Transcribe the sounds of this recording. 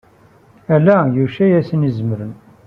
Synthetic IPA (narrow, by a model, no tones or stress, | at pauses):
ælæjuʃæjæsənizəməɾən